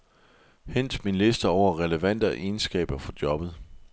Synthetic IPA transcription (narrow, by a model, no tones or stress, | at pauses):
hen̰d̥minle̝sd̥əɒʊ̰ɐʁɛləʋæn̰d̥əʔe̝ːnsɡ̥ɛ̰ːb̥ɐfɒ̽d̥jɒ̽b̥ð̞̩ˠ